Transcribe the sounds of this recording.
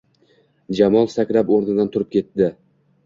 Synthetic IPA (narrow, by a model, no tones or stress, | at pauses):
d͡ʒamɒlˠsakʲɾapoɾnɪd̪ant̪ʰʊɾɪp̚kʲʰe̞t̪d̪ɪ